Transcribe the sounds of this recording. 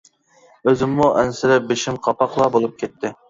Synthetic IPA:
øzɪmːuʔɛnsɪɾɛp̚beʃimqʰɑpʰɑqlˠɑbolˠup̚kʲʰɛt̪ʰːɪ

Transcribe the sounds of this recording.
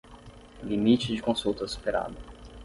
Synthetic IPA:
limit͡ʃɪd͡ʒɪkõsuwt̪ɐsu̥peɾa̰d̪ʊ

